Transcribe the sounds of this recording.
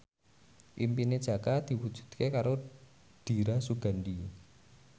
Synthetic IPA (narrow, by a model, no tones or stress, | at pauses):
ʔimpined̥ʒ̥ä̤kad̪̥i̤wud̥ʒ̥ṳd̪̥kekaɾo | ɖ̥i̤ɾasuɡ̥a̤nɖi